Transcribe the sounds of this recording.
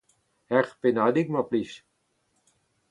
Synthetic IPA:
hɛχpenadik̚maplis

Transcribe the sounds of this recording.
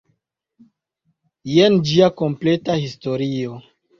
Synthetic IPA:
jend͡ʒiako̞mpletahisto̞ɾio

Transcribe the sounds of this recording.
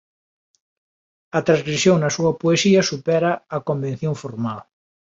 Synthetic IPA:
ɐt̪ɾãzɣɾisjõŋnɐsuɐpoesiɐsupɛɾɐːkombẽn̟θjoŋfoɾmal

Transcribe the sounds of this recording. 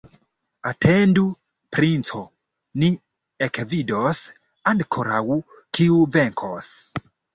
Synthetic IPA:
atʰendu | pɾint͡so | ni | ekvidos | andkʰoɾawu | kʰiuveŋkʰos

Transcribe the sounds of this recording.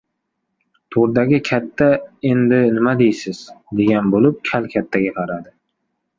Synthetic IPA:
t̪ʰoɾd̪aɡʲɪkʲʰat̪ʰːae̞nd̪ɪnɪmad̪ejsɪz̥d̪e̞ɡʲanbolɪp̚kʲʰalkʲʰat̪ʰːaɡʲaqʰɑɾad̪ɪ

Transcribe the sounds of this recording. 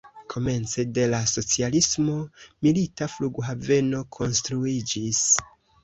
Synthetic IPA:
kʰo̞me̞nt͡se̞de̞laso̞t͡sialismo̞militafluɡɦave̞no̞kʰo̞nstɾuid͡ʒis

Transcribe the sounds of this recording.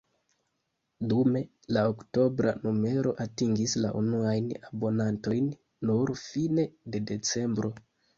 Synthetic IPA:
dume̞ | laokto̞bɾa̰nume̞ɾo̞ʔatiŋɡisla̰ʔunuajnabo̞nanto̞jnː | uɾfine̞de̞de̞t͡se̞mbɾo̞

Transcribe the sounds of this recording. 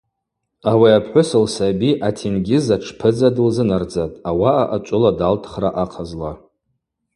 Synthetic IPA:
awiapʰħʷʊsɨlsabiʔatʰinɡʲɪzaʈ͡ʂʰpʰɨd͡zadɨlzɨnard͡zatʼawaʔaʔat͡ʃʷʼʊladaltʰχraʔaqʰazla

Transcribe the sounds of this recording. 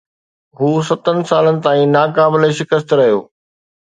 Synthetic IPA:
ɦuːsɐt̪ənɪ̆saːlənɪ̆t̪aːĩnaːkaːbɪleʃɪkəst̪ɾɐɦijo̰ː

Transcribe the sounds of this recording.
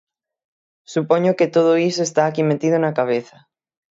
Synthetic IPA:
supoɲoket̪oð̞oisoest̪aːkimet̪ið̞onakaβ̞eθa

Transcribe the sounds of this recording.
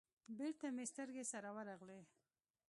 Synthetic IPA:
beɾt̪amest̪əɾɡesaɾawaɾaɣle

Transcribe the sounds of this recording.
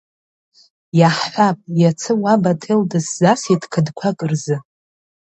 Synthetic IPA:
jaħħʷapʼjat͡sʰɨwabatʰeldɨszasidkʰɨdkʷʰakʼɨrzɨ

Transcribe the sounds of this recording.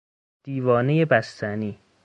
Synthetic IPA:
d̪̥iːvɒːne̞je̞bæst̪ʰæniː

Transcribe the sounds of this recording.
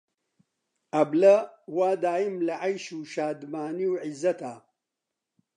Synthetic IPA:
ɐblɐwaːd̪aːimlɐʕɐjʃuːʃaːd̪maːniwʕizːɐt̪ʰaː

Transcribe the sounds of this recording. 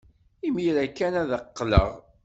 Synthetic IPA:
imjlækːænæðəqːlə̰ʁ

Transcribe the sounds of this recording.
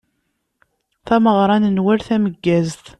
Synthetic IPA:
θæməʁɾˤɑnənwæɾθæməɡːæzt̪

